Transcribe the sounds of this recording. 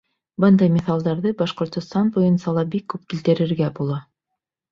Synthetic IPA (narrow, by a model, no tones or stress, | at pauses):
bɤnd̪ɑjmʲɪθɑlˠd̪ɑɾðɤbɑʃqŏɾt̪ŏst̪ɑnbujɤ̆nsɑlˠɑbikːʉp̚kilt̪ɘ̆ɾɘ̆ɾɡæbulˠɑ